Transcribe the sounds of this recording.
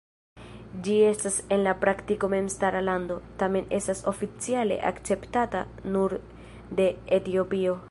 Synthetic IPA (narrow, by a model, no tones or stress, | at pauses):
d͡ʒie̞stase̞nlapɾaktiko̞me̞mstaɾalando̞tame̞ne̞staso̞fit͡siale̞̰ʔa̰kt͡se̞ptata̰ | nuɾ | de̞ːtio̞pio̞